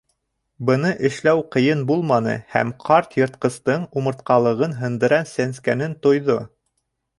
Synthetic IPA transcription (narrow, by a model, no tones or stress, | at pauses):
bɤ̆nɤʔɘ̆ʃlæwqɤ̆jɤnbulˠmɑnɤ̰hæ̰mqʰɑɾt̪jɤ̆ɾt̪̚qɤ̆st̪ɤɴumɤ̆ɾt̪̚qɑlˠɤ̆ʁɤnɦɤ̆nd̪ɤ̆ɾɑnsænskænɘnt̪ŏjðo